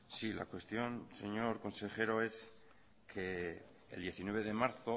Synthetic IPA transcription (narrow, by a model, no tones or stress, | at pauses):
sila̰kwe̞st̪jo̞nse̞ɲo̞ɾko̞nseχe̞ɾo̞e̞s | kʰe̞ː | ld̪je̞θinweβe̞ðe̞maɾθo